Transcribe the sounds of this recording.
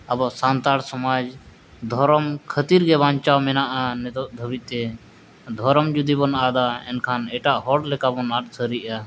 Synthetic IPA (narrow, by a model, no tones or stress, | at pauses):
abɔsant̪aɽsɔmad͡ʒ | d̪ʱɔɾɔmkʰət̪iɾɡɛbaɲt͡ʃawmɛnaʔanɛt̪ɔd̪ʱəbiˀt̪ɛ | d̪ʱɔɾɔmd͡ʒud̪ibɔnad̪aɛ̰nkʰanɛʈaʔɦɔɽlɛkabɔnaʈ̚səɾiʔa